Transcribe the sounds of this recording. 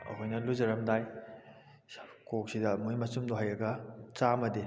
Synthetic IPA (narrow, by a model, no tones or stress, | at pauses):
ɐ̰ɦojnɐluzɐɾɐmdaj | kok̚sidɐmujmɐsumdoɦajɐɡɐt͡ʃamɐdi